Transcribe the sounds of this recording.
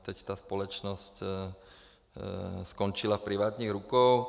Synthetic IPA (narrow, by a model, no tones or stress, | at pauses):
t̪ɛct̪aːspɔlɔt͡ʃnɔsc | skɔnt͡ʃilafpɾiʋaːt̪ɲiɣɾukɔʊ